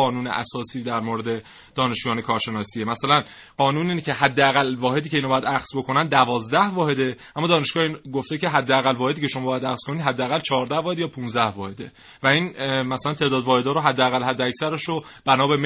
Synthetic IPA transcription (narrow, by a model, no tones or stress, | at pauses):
ɒːnuːnḛʔæ̰sɒːsiːd̪æɾmoɾe̞d̪e̞ | d̪̥ɒːne̞ʃd͡ʒujɒːnekʰɒːɾʃe̞nɒːsiemæsælæn | ɢ̥ɒːnuːniːnecʰe̞ɦæd̪ːeæɣælvɒːɦe̞d̪iːcʰe̞inɒbɒjæd̪æxz̥bo̞kʰo̞nænd̪ævɒːzd̪æhvɒːɦe̞d̪e̞ʔæmːɒːd̪ɒːne̞ʃɡɒːhinɡoft̪ecʰe̞ɦæd̪ːeæɣælvɒːheiːcʰe̞ʃo̞mɒːbɒjæd̪æxz̥kʰo̞nid̪ɦæd̪ːeæɣælt͡ʃʰɒːɾd̪æhvɒːhe̞d̪jɒːpʰunzd̪æhvɒːhe̞d̪e̞ | væinmæsælænt̪ʰe̞ːd̪ɒːd̪vɒːhe̞d̪ɒːɾoɦæd̪ːeæɣælhæd̪ːeæcsæɾeʃo | b̥ænɒːbem